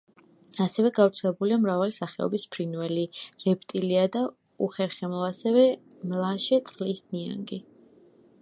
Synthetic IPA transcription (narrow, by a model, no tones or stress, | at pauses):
asɛvɛɡavɾt̪sʰɛlɛbuliamɾavalisaχɛɔ̰bispʰɾinvɛliɾɛp̚ʰt̪ʼiliad̪a | uχɛɾχɛmlˠaasɛvɛ | mlˠaʃɛt̪sʼqʼlisnnia̰ŋɡi